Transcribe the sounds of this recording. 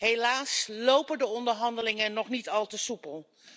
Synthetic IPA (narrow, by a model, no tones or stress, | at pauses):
ɦejlaːslowpədəɔndəɹɦɑndəlɪŋənːɔχnitɑlˠtəsupəlˠ